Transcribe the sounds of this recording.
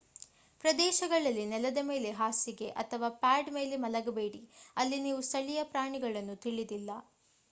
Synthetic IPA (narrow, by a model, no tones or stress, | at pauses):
pɾɐd̪ɛːʃɐɡɐɭɐlːinɛlɐd̪ɐme̞ːle̞ɦaːsiɡe̞ʔɐt̪ʰɐʋaːpaːɖme̞ːle̞mɐlɐɡɐbe̞ːɽiɐlːiniːʋust̪ʰɐɭijɐpɾaːɳiɡɐɭɐnːut̪iɭid̪ilːɐ